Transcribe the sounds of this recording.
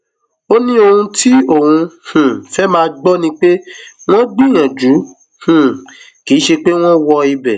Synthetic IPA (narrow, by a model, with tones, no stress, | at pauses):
o˦nĩ˦o˧hũ˧tʰi˦o˦˨hũ˧h̩˨fɛ˦mãː˦˧ɡ͡bɔ˦nĩ˦k͡pe˦w̃ɔ̃˦ɡ͡bi˦˨j̃ã˨d͡ʒu˨˦ | h̩˨ | ki˨˦ʃe˧k͡pe˦w̃ɔ̃˦wɔ˧i˧bɛ˨